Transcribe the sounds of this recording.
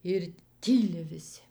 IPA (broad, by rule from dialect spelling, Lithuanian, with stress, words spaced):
ɪr ˈtʲiːlʲɪ ʋʲɪˈsʲɪ